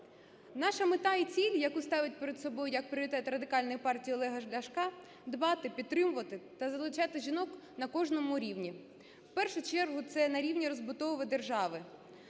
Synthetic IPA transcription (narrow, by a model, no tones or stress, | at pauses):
nɑʃɐmɪt̪ɑit͡sʲilʲjɐkust̪ɑʋɪt̚ʲpeɾed̪sɔbɔjʊjɐk̚pɾɪɾʲɪt̪ɛt̪rɐd̪ɪkɑlʲnɔjipɑrtʲijiɔlˠɛɦɐʒlʲɐʃkɑ | d̪bɑt̪ɪpʲid̪̚t̪ːɾɪmʊʋɐt̪ɪt̪ɐzɐlˠʊt͡ʃɑt̪ɪʒʲinɔk | nɐkɔʒnɔmʊɾʲiwnʲi | wpɛrʃʊt͡ʃɛrɦʊt̪sɛnɐɾʲiwnʲiɾɔzbʊt̪ɔʋʊʋɪd̪erʒɑʋɪ